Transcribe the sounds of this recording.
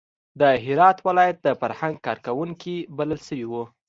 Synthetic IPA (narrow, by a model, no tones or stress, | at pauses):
d̪əɦɪɾɑt̪wɪlɑjat̪̚d̪əfaɾhaŋɡ̚kɑɾkawuŋkibaləlsəwiwu